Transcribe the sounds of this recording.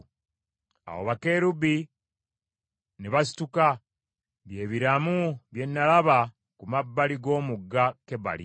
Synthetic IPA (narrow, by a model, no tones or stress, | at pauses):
a̰wo̰βake̞ːɾubi | neβasi̥tuka | βje̞ːβiɾamuβje̞nːalaβa | kumabːaliɡo̞ːmuɡːake̞βa̰lḭ